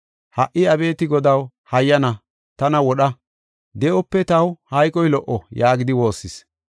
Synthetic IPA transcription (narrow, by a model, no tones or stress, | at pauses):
hɐʔːɪɐbe̞ːt̪ɪɡɔd̪ɐw | hɐjːɐnɐ | t̪ɐnɐwɔɗɐ | d̪ɛʔɔpːɛt̪ɐwhɐjkʼɔjlɔʔɔjaːɡɪd̪ɪwo̞ːsːɪs